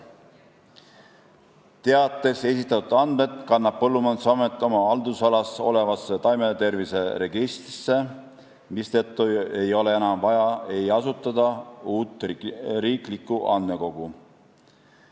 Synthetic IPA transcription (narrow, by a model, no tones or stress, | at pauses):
t̪eɑt̪ːˑe̞se̞sit̪ːˑɑt̪ːud̪̥ɑnd̪̥̚me̞t̪kɑnːɑb̥̚pːɤlːumɑnsɑmet̪ːˑo̞mɑɑld̪usɑlɑso̞̰le̞vɑsːet̪ɑjme̞t̪e̞rvise̞ɾe̞ɡist̪ɾisːe̞ | mist̪et̪ːˑue̞jo̞le̞e̞nɑmvɑjɑe̞jɑsut̪ˑːɑd̪ɑuːt̪ːˑriːklikːˑuʔɑnd̪me̞ko̞ɡ̥u